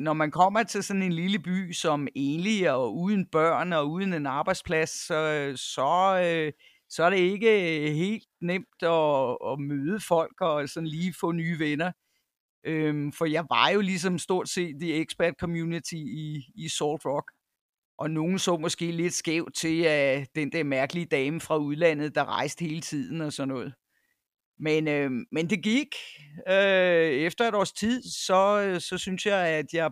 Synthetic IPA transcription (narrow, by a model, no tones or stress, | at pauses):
nɒmænkʰɒ̽m̰ɐt͡sʰe̝lsɒ̽ne̝nliləb̥y̰ːsɒ̽me̝ːnliɒuðˠn̩b̥ɶɐ̰nɒ̽uð̞ˠn̩e̝nɑ̈ːb̥ɑ̈ɪd̥spʰlæsːɒ̽sɒ̽ | sɒ̽æɐɾe̝e̝ɡ̥əɦe̝̰ːl̥d̥̚nem̰d̥ɒ̽ːmøːð̞ˠəfɒ̽l̰ɡ̥ɒ̽sɒ̽n̩liːfɔ̰̽ːnyːʋenɐ | ʔømfɒ̽jɑ̈ʋɑ̈jo̝lis̬ɒ̽msd̥o̝ɐ̰d̥se̝̰ːd̥ieɡ̥sb̥æɐd̥̚kʰɒ̽mjunit͡sʰiiːsɔld̥ʁɒɡ̥ | ʔɒ̽no̝ːn̩sɔ̰̽ːmɒ̽sɡ̥e̝̰ːle̝d̥sɡ̥ɛʊ̰d̥̚t͡sʰe̝æd̥end̥æɐmæɐɡ̥əliəd̥ɛːməfʁɑ̈uð̞̩ˠlæn̰ð̞̩ˠd̥ɑ̈ʁɑ̈ɪsd̥əhe̝ːlət͡sʰið̰ˠn̩ɒ̽sɒ̽nːɔ̽ːð̞̩ˠ | menømend̥e̝ɡ̥iɡ̥øefd̥ɐe̝ɾɒ̰ːst͡sʰið̰ˠsɒ̽øsɒ̽synsjɑ̈ɪæd̥jɑ̈ɪ